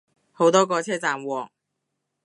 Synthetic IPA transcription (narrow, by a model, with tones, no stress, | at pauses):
ho˨˥wt̪ɔː˥k̬ɔː˧t͡sʰɛː˥t͡saː˨mwɔː˨˩ŋ̚